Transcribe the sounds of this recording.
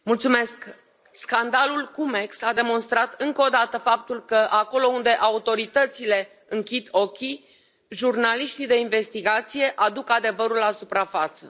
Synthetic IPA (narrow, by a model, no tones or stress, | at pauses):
mult̪sume̞sk | skand̪alulkume̞ksad̪e̞mo̞nst̪ɾat̪ɨŋkəod̪at̪əfap̚t̪ulkəʔako̞lo̞und̪e̞ʔaut̪o̞ɾit̪ət̪sile̞ | ɨŋkʲid̪o̞kʲi | ʒurnaliʃt̪id̪e̞inve̞st̪iɡat̪sije̞ʔad̪ukad̪e̞vəɾulasupɾafat̪sə̰